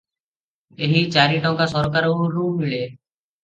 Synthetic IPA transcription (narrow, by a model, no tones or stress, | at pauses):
eɦit͡ʃaɾiʈɔŋkasɔɾkaɾoɾummiɭe